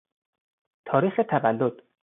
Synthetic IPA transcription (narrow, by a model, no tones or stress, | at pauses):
t̪ʰɒːɾiːxet̪ʰævælːod̪̥